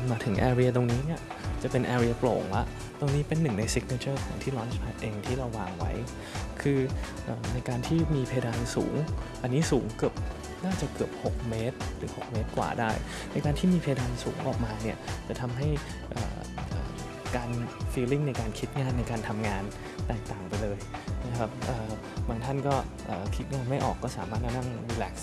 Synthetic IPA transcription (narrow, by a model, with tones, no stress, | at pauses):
maː˧t̪ʰɯ˩˦ŋʔɛː˧ɾi˧ɐ˧t̪̬o˧ŋniː˦˥ni˥˩ɐ | t͡ɕa˨˩pe˧nʔɛː˧ɾi˧ɐ˧plo̰ː˨˩ŋla˦˥ʔ | t̪o˧ŋniː˦˥pe˧nːɯ˨˩ŋna˧jsi˦˥k̚na˧˥t͡ɕʰɤː˥˩kʰɔ̰˨˩˦ŋt̪ʰiː˥˩lɔː˦˥nspʰaː˦˥t̪̚ʔeː˧ŋt̪ʰiː˥˩ɾa˧wːaː˧ŋwa̰˦˥j | kʰɯː˧ | ʔəː˨˩na˧jkaː˧nt̪ʰiː˥˩miː˧pʰa˧daː˧nsṵː˩˦ŋʔa˧nːiː˦˥suː˩˦ŋkɯ˨˩əp̚ | naː˥˩t͡ɕa˨˩kɯ˨˩əp̚ho˨˩k̚meː˦˥t̪̚ɾɯː˩˦ho˨˩k̚meː˦˥t̪̚kwa̰ː˨˩daː˥˩j | na˧jkaː˧nt̪ʰiː˥˩miː˧pʰa˧daː˧nsṵː˩˦ŋʔɔ̰ː˨˩k̚maː˧ni˥˩ɐt͡ɕa˨˩t̪ʰa˧mɦa˥˩j | ʔɤ̰ː˨˩ | ʔəː˨˩ | kaː˧nfiː˧li˥˩ŋna˧jkaː˧nkʰi˦˥t̪̚ŋaː˧˩nːa˧jkaː˧nt̪ʰa˧mŋaː˧n | t̪ɛː˨˩k̚t̪aː˨˩ŋpa˧jlɤː˧jna˦˥kʰa˦˥p̚ʔɤː˨˩ | baː˧ŋt̪ʰa˥˩nkɔː˥˩ʔəː˨˩kʰi˦˥t̪̚ŋaː˧nma˥˩jʔɔ̰ː˨˩kːɔː˥˩saː˩˦maː˥˩t̪̚ha˥˩na˥˩ŋduː˧lɛː˨˩k̚